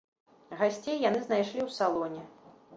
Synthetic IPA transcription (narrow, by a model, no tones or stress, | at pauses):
ɣasʲt͡sʲejːanɨznajʂlʲiwsalˠɔnʲɛ